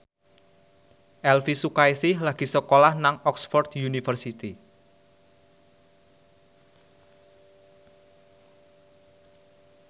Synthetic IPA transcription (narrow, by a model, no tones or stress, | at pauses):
ʔɛlfisukaisɪhlaɡ̥i̤səkolahnaŋɔksfɔrt̪junifərsit̪i